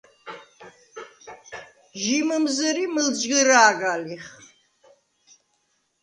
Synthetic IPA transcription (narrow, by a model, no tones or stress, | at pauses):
ʒimɐmzɐɾimɨld͡ʒɡɐɾaːɡaːliχ